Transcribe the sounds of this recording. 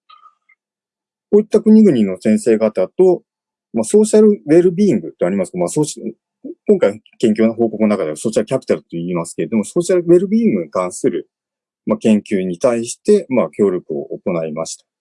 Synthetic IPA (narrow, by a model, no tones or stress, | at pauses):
koit̪ːakɯ̟ɲ̟iɡɯ̟ɲ̟ino̞sẽɰ̃se̞ːɡat̪at̪o̞ | maso̞ːɕaɾɯ̟βe̞ɾɯ̟bʲĩːŋɡɯ̟t̪ːeaɾʲimasɨ̥kamaso̞ːɕ | kõŋkai | kẽ̞ŋkʲoːnaɦo̞ːko̞kɯnoakad̪easo̞ːɕaɾɯ̟apʲi̥t̪aɾɯ̟t̪ːo̞iːmasɨ̥ke̞ɾed̪o̞mo̞so̞ːɕaɾɯ̟βe̞ɾɯ̟bʲiːŋɡɯ̟ɲ̟ikãɰ̃sɨɾɯ̟ | makẽ̞ŋkʲɨːɲ̟it̪aiɕi̥t̪e̞makʲo̞ːɾʲokɯ̟o̞̰ʔoko̞naimaɕi̥t̪ḁ